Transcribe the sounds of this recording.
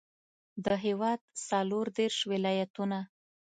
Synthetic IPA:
d̪əɦewɑd̪̚saloɾd̪eɾʃwɪlɑjat̪una

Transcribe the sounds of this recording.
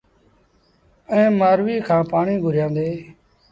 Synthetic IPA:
ə̃ːmaːɾʋiːkʰãːpaːɳiːɡʱʊɾjãːnd̪eː

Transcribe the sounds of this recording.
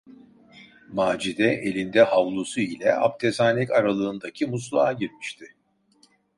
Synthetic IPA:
maːd͡ʒid̪ɛʔe̞lʲind̪ɛhavlˠusuilʲɛ̰a̰p̚t̪ʰezaːnʲɛcaɾalˠɯːnd̪acʰimus̬lˠaaɟiɾmiʃt̪ʰɪ

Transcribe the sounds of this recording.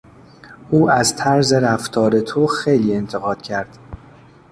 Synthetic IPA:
ʔuːæzt̪ʰæɾze̞ɾæft̪ʰɒːɾe̞t̪ʰoxejliːe̞nt̪ʰe̞ɣɒːd̪̥cʰæɾd̪̥

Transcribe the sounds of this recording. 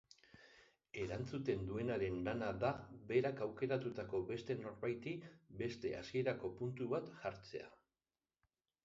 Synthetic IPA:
e̞ɾant͡sut̪e̞nd̪ue̞naɾe̞nlanaðaβe̞ɾakawke̞ɾat̪ut̪ako̞βe̞st̪e̞no̞ɾβajt̪ibe̞st̪e̞̰a̰sie̞ɾako̞punt̪uβat̪ʝaɾt͡se̞a̰

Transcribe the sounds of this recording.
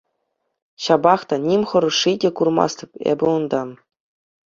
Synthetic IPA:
ɕɑbɑχt̪ɑnʲimʲχɤ̆ɾɤ̆ʂidʲĕkurmɑ̰st̪ɤ̆pʲḛbʲɘ̆und̪ɑ

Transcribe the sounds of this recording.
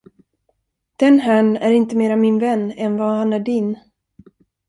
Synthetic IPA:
d̪̥ɛnɦæɳæɾɪnt̪əmeːɾamɪnvɛnːɛnvahanæɖɪn

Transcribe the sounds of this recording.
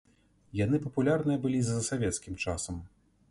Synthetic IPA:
janɨpɐpulʲarnɨjɐbɨlʲizɐsavʲɛt̪skʲimt͡ʂasɐm

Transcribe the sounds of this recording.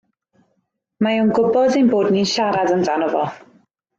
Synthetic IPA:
mauwnɡʊbɔdinboːdninʃaɾadəndanɔvɔ̰

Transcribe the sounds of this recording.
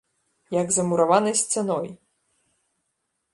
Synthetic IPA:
jɐɡzɐmuɾavanɐjsʲt͡sʲɛnɔj

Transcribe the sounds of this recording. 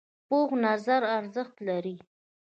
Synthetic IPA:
poxnazaɾaɾzəxt̪laɾi

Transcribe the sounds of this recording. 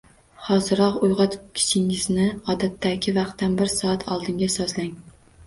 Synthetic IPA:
hɒzɪɾɒqʊjʁɒt̪kʲʰɪ̥sɪŋɪznɪɒd̪at̪ʰːakʲʰɪvɑqt̪ːanbɪɾsɒat̪ʰɒlˠd̪ɪŋɡʲasɒzlaŋ

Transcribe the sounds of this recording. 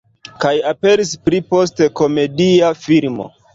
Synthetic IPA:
kajape̞ɾispɾipo̞s̬teko̞me̞diafilmo̞̰

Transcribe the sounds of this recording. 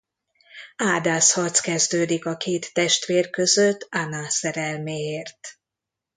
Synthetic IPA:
aːd̪aːshɒrt̪skɛzd̪øːd̪ikɒkʰeːt̪ːɛʃt̪ʋeːrkø̞zøt̪ːanasɛɾɛlmeːeːrt̪

